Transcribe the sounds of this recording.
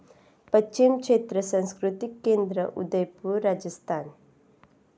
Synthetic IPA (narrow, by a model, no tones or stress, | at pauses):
pɐt͡ʃt͡ʃimkʂeːt̪ɾɐsɐ̃nskɾut̪ikːeːnd̪ɾɐ̰ʔṵd̪ɐjpuɾaːd͡ʒɐst̪ʰaːn